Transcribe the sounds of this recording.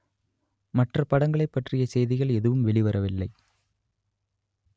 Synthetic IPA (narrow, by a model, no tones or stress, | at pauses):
mɐʈrɐpɐɽɐŋɡɐɭɐɪpːɐʈrɪjɐsɛjðɪɣɐɭɛðɯʋɯmʋɛɭɪʋɐɾɐʋɪlːɐɪ